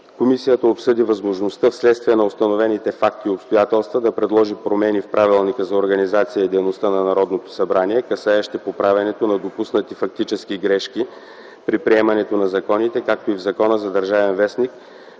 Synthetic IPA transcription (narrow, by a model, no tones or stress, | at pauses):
komisijət̪əopsɤd̪ivɐzmoʒnost̪əfslɛt̪st̪viɛnɐost̪ɐnovɛnit̪ɛfak̚t̪iopst̪ojat̪ɛlˠst̪vəd̪ɐpɾɛd̪lˠɔʒipɾomɛnifpɾʔavilˠnikəzɐoɾɡɐnizat̪sijəid̪ɛjnost̪anɐnɐɾɔd̪not̪o̥sɐbɾaniɛkɐsaɛʃt̪ɛpopɾavʲɛnɛt̪onɐd̪opusnət̪ifɐk̚t̪it͡ʃɛskiɡɾɛʃki | pɾipɾiɛmɐnɛt̪onɐzɐkɔnit̪ɛkak̚t̪oivzɐkɔnəzɐd̪əɾʒavɛnvɛsnik